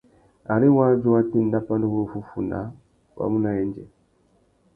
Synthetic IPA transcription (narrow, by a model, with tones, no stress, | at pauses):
a˨ɾi˦wa˦d͡ʒu˦wa˦ti˦n̩˦da˦pa˦ndu˦wo˦˨fu˦fu˨na̰˨˦ | wa̰˨mu˦na˦jɛ˦nd͡ʒɛ̰˨